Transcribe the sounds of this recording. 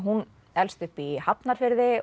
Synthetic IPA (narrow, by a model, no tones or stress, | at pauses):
ɦun | ɛlst̪ʏhpihapnaɾ̥fɪɾðɪ